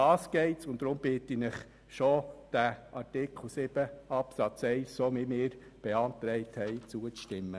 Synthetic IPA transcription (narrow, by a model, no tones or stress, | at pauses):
ɑːsɡ̥ɛɪtsʊnd̥ɾʊmb̥ɪtinɪχ | ʃod̥æʔɑtɪkχl̩sɪb̥əɑpsɑt͡sɛɪssomimɪːɾ | b̥eɑnt̪ɾɛɪt̪hɛɪt͡suət͡stɪmːə